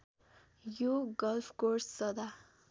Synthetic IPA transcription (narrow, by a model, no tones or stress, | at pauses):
juɡʌlpʰkoɾsːʌd̪a